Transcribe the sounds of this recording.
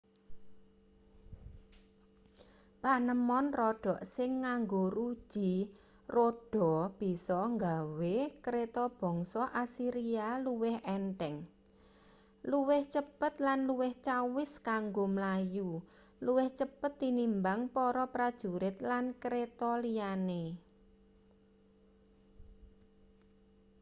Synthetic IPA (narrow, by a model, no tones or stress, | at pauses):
panəmɔnrɔɖ̥ɔ̤ʔsɪŋːaŋɡoɾu̥ʒ̥i̤ | roɖ̥ɔ̤b̥i̤sɔŋɡawekəɾet̪ɔb̥ɔ̤ŋsɔʔasiɾialuwɪhɛnʈ̪ɛŋ | luwɪht͡ʃəpət̪̚lanluwɪht͡ʃawɪskaŋɡomlaju | luwɪht͡ʃəpət̪ːinimbaŋpɔɾɔpɾad̥ʒ̥ṳɾɪt̪̚lankɾet̪ɔliane